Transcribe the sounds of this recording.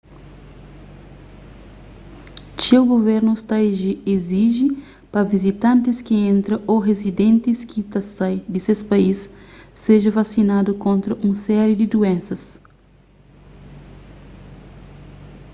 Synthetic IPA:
ʃewɡoveɾnʊst̪aʒieziʒi | pɐvizit̪ɐ̃nt̪ɪskɪẽnt̪ɾɐʔoɦezid̪ẽnt̪ɪskit̪ɐsajd̪ɪsespaisːeʒɐvasinad̪ʊkõnt̪ɾɐʔũsɛɾud̪ɪd̪uẽnsɐs

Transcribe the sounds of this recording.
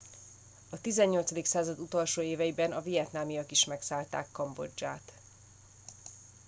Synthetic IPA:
ɒt̪izɛɲːo̞ltsɒd̪iksaːzɒd̪ut̪olʃoːeːvɛjibɛnɒvijɛt̪naːmijɒkiʃmɛksaːlt̪a̰ːkːɒmbo̞̰d͡ʒːaːt̪

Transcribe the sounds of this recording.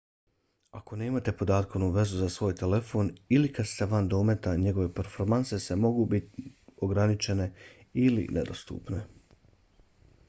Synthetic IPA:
ako̞ne̞ːmat̪e̞po̞d̪aːt̪koʋnuʋe̞zuzasʋo̞ːjt̪e̞le̞fo̞ːnilikad̪st̪eʋand̪o̞me̞t̪aɲe̞ɡo̞ʋe̞peɾfo̞ɾmanse̞semo̞ɡuːbit̪io̞ɡɾanit͡ʃe̞ne̞ | ilḭnʔḛd̪o̞̰st̪ṵːpne̞

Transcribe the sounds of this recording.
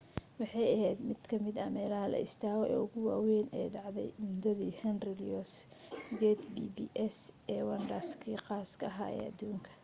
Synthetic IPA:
wɑħɑjɐɦɛːd̪mɪd̪kʰɐmɪd̪ɐmɛːlɐɦɐlɐ̰ʔɪ̰st̪ʰaːɣɔʔɛ̰ːʊɣʊwɑːwɛːnɛjɖɑʕðɛ̰jmʊd̪ɐðiːhɐnrɪlɔs | ɡɛt̪bḭːbiːʔɛsʔɛːwɐnɖɐskʰiːqɑːskʰɐɐɦaːɛ̰ːɐd̪uːŋkʰɐ̥

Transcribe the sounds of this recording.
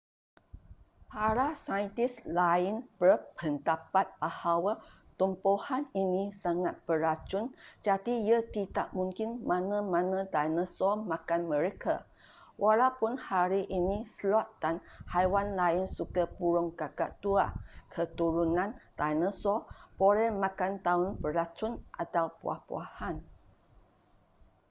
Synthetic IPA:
paɾasajənt̪islaɪnbərpʰəndapat̪̚bahawa | t̪ɔmpohaninĩsaŋat̪̚b̥əɾat͡ʃʊnd͡ʒadijət̪idaʔmuŋkɪnmãnə̃mãnə̃dajnə̃sɔmãkanmə̃ɾekʰa | wʔalawpʊnhaɾiʔinĩslɔʔ̚danhajwanlaɪnsukəpuɾɔŋkaɡa̰ʔt̪uakʰət̪uɾunãnt̪ajnə̃sɔb̥olɛmãkant̪aʊnpəɾlat͡ʃʊnʔat̪awpṵa̰hpṵahan

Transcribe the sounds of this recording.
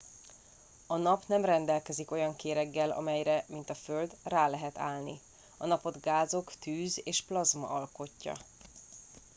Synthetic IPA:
ɒnɒpnɛmrɛnd̪ɛlkɛziko̞jɒŋkeːɾɛɡːɛlɒ̰mɛjɾɛmint̪ɒføld̪raːlɛɦɛt̪a̰ːlni | ɒnɒpo̞d̪ɡaːzo̞kt̪yːzeːʃplɒzmɒ̰ʔɒlko̞cːɒ̰

